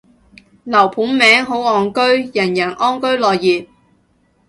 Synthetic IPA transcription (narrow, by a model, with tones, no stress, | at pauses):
lɐ˨˩wpʰuː˨˥nmɛː˨˥ŋɦo˨˥wɔː˨˩ŋkɵ˥ɥjɐ˨˩njɐ˨˩nʔɔː˥nkɵ˥ɥlɔː˨jːiː˨p̚